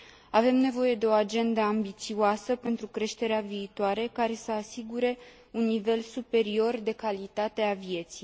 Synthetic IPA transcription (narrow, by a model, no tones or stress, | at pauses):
ave̞mne̞vo̞je̞d̪e̞o̞ad͡ʒe̞nd̪əambit̪sioasəpe̞nt̪ɾukɾe̞ʃt̪e̞ɾeaviːt̪oaɾe̞kaɾe̞səasiɡuɾe̞ | unːive̞lsupe̞ɾio̞rd̪e̞kalit̪at̪e̞avie̞t̪sij